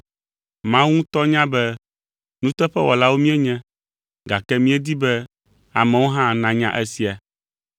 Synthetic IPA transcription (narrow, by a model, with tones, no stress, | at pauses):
mã˦wũ˦t̪ɔ˦ɲã˦bɛ˦ | nũ˦t̪ɛ˦ɸɛ˦wɔ˨la˦wo˦mĩ˦ɛ˦ɲɛ̃˦ | ɡa˨kɛ˦mĩ˦ɛ˦d̪i˦bɛ˦ | a˨mɛ̃˨wo˦ɦã˦nã˨ɲã̰˦ʔɛ˦si˦a˨